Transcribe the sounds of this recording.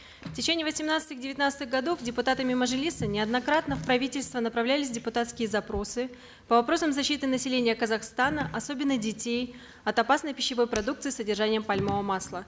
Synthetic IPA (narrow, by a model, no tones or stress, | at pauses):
ftʲɪt͡ɕenʲɪjəvəsʲɪmnat̪sɨt̪ɨɣdʲɪvʲɪt̪ʲnat̪sɨt̪ɨɣɡɐd̪o̞fdʲɪpʊt̪at̪əmʲɪməʐɨlʲisənʲɪɐd̪nɐkɾat̪nəfpɾɐvʲitʲɪlʲst̪vənəpɾɐvlʲælʲɪsʲdʲɪpʊt̪at̪skʲɪjəzɐpɾo̞sɨ | pəvɐpɾo̞səmzɐɕːit̪ɨnəsʲɪlʲenʲɪjəkəzɐxst̪anəʔɐso̞bʲɪnːədʲɪtʲej | ɐt̪ɐpasnəjpʲɪɕːɪvo̞jpɾɐd̪uk̚t̪sɨisədʲɪrʐanʲɪjəpɐlʲmovəmaslˠə